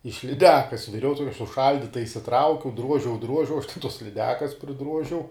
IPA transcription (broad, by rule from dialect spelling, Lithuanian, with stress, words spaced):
ɪʃ lʲɪˈdʲæːkɐs ʋʲɪˈrʲɛʊ ˈtoːkʲɛ sʊˈʃɐlʲdʲiːtɐ ɪʃʲsʲɪˈtrɐʊkʲɛʊ ˈdruɔʒʲɛʊ ˈdruɔʒʲɛʊ ɐʃ tʲɛ toːs lʲɪˈdʲæːkɐs pʲrʲɪˈdruɔʒʲɛʊ